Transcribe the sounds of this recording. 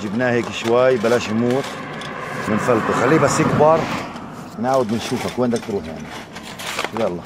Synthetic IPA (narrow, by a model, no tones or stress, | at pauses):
d͡ʒɪbnaːheːkɪʃwajːbalaːʃmuːt̪ | mɪnfalt̪ʊxalːiːbasːjɪkbɑɾˤ | mɪnʕaːwɪd̪̚mɪnʃuːfakwɪnd̪ak̚t̪ɾuːħja̰ʕni | jaʔlˤːɑ